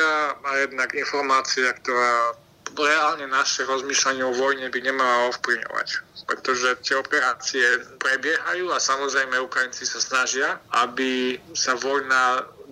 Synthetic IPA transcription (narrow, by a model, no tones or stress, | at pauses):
amajɛd̪naɡinfɔɾmaːt͡siakt̪ɔɾaː | ɾɛaːlɲɛnaʃɛɾɔzmiːʃlaɲɪɛɔʋɔjɲɛbiɲɛmalaɔfpliʋɲɔ̰ʋa̰cpɾɛt̪ɔʒɛt̪ɪɛɔpɛɾaːt͡siɛpɾɛbɪɛɦajuːasamɔzɾɛjmɛukɾajint͡sisasnaʒɪaabisaʋɔjna